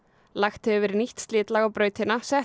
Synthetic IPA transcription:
laxt̪ʏːvɪɾniht̪st̪lɪːt̪laɣawpɾœːɥt̪ɪnasɛ

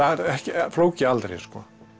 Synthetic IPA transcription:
aɛɾɛhcɪfloːwcɪalt̪ɾḛjskɔː

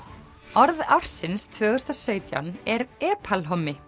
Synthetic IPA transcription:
ɔɾðawɾ̥sɪnst̪ʰvœːɣʏst̪asœːɥt̪ja̰wnɛɾɛːpʰalɦɔmːɪ

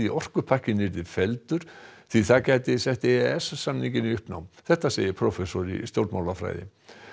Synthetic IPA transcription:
iʔɔr̥kʏpʰar̥cɪnːɪɾɪfɛlt̪ʏɾ̥θiθaðcaːjt̪ɪsɛht̪eɛssamniŋcɪniʏhpna̰wmθɛht̪asḛjɪpʰɾɔfɛsɔɾḭst̪jowɾt̪mawlafɾa̰jðɪ̰

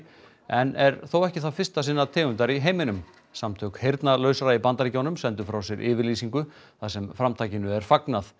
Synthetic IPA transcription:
ɛnɛɾθowɛhcɪθaðfɪrst̪asɪnːat̪ʰɪːɣʏnt̪aɾiɦejmɪnʏm | samt̪ʰœːkhejɾt̪nalœːɥsaɾaipant̪aɾɪcownʏmsɛnt̪ʏfɾawsjɛɾʔɪ̰ːvɪɾliːsiŋkʏθasɛmfɾamt̪ʰaːjcɪnʏɛɾ̥faknaθ

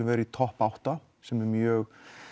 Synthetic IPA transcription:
ʏvɛːɾɪit̪ʰɔhpawht̪a | sɛmɛɾmjœːɣ

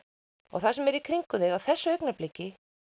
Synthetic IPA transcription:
ɔ̰ɣθasɛmɛɾikʰɾiŋkʏðɛɣawθɛsːʏœknaplɪcːɪ

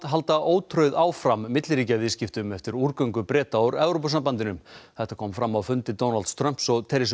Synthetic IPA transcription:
t̪ɦalt̪aʔoːwt̪ʰɾœɥðaːwfɾamːɪt̪lɾiːcavɪscɪft̪ʏmɛft̪ɪɾuɾkœɥŋkʏpɾɛːt̪aawɾɛvɾowpasampant̪ɪnʏmθɛht̪akʰɔːmfɾamːawfʏnt̪ɪt̪ownalt̪st̪ɾœm̥psɔɣt̪ʰɛɾɪs

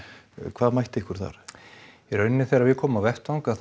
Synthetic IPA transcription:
kʰvaːðmajht̪ɪhkʏɾ̥θa̰ɾ̥ | iɾœɥnːɪθɛjɾavɪðkʰɔːmawvɛht̪awŋkaθ

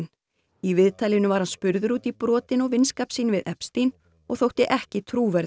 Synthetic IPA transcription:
n | ivɪðt̪ʰaːlɪnʏvaɾ̥hanspʏɾðʏɾuːt̪ipɾɔːt̪ɪnɔɣvɪnskaːpsiːnɪvɪðʔɛpst̪in | ɔɣθowht̪ɪʔɛhcɪt̪ʰɾuːvɛɾ

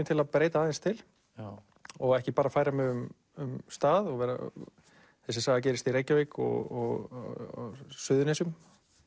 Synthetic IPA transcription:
mt̪ʰɪlaðpɾeːjt̪aːðɪnst̪ʰɪl | ɔɣɛhcɪpaːɾafaːjɾamɛðʏm | ʏmst̪aːðɔɣvɛːɾa̰ | θɛsːɪsaːɣðacɛːɾɪst̪iɾejcːavejkɔ̰ɣɔɣ | sʏðʏnɛsʏm

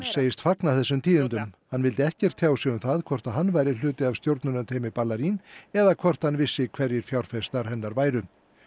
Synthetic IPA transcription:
ɾseːjɪst̪faknaθɛsːʏmt̪ʰiːðɪnt̪ʏmhanːvɪlt̪ɪɛhcɛr̥t̪ʰjaːwsɛɣʏmθaðkʰvɔr̥t̪aðɦanːvaːjɾɪlʏːt̪ɪavst̪jowɾt̪nʏnʏt̪ʰeːjmɪpalaɾinɛðakʰvɔr̥t̪hanvɪsːɪkʰvɛɾjɪɾ̥fjawɾ̥fɛst̪aɾ̥hɛnːaɾvaːjɾʏ

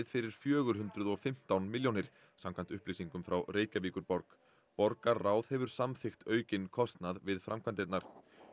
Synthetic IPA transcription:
ðfɪɾɪɾ̥fjœːɣʏɾ̥ɦʏnt̪ɾʏðɔfɪm̥t̪awnmɪljownɪɾ̥ | samkʰvant̪ʏhpliːsiŋkʏmfɾawreːjcaviːkʏɾpɔɾk | pɔɾkarraːwðhɛvʏɾ̥samθɪxt̪œːɥcɪnkʰɔst̪naðvɪðfɾamkʰvant̪ɪt̪naɾ̥

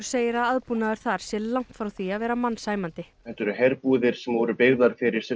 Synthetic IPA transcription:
ɾ̥seːjɪɾaðaðpunaðʏɾ̥θaɾ̥sɛllːawŋ̥t̪fɾawθiaðvɛːɾamanːsaːjmant̪ɪ | ɛt̪ɛɾʏɦɛɾpuːðɪɾ̥sɛmvɔɾʏpɪɣðaɾ̥fɪɾɪɾ̥sɛ

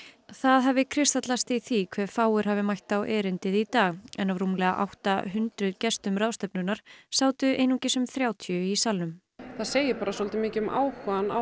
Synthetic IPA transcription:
θaðɦɛvɪkʰɾɪst̪at̪last̪iθikʰvɛːɾ̥faːwʏɾ̥ɦavɪmajht̪awʔɛːɾɪnt̪ɪðit̪aːɣɛ̰nːawruːmlɛɣaʔa̰wht̪a̰ɦʏnt̪ɾʏðcɛst̪ʏmɾawst̪ɛpnʏnaɾ̥saːwt̪ʏʔeːjnuŋcɪsʏmθɾjaːwt̪ʰjʏisalnʏm | θaðseːjɪpaːɾasɔlt̪ɪmɪːcɪma̰ːwkvana

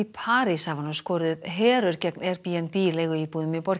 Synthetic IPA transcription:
ipʰaːɾɪsavanaskɔːɾðʏðɦɛːɾœɾ̥cɛknɛɾ̥piːɛnpiːlɛːɣʏipuːðɪmɪpɔɾ̥

